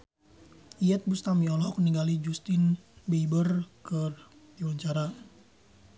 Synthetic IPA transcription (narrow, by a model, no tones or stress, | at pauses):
iɛt̪̚bust̪amiɔlɔk̚niŋɡalid͡ʒust̪ɪnbebərkər | iwaɲt͡ʃaɾa